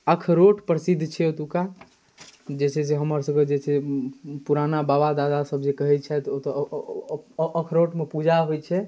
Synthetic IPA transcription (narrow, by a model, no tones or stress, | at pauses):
əkʰɾoʈpɾəsid̪ʱːt͡ʃʰɛot̪uka | d͡ʒesɛs̬eɦəməɾsə̃ɡed͡ʒesʰepuɾanababad̪ad̪asəbʱd͡ʒekəɦɛt̪̚t͡ʃʰɛt̪ot̪ɔ | əkʰɾoʈmepud͡ʒʱaɦojt͡ʃʰɛ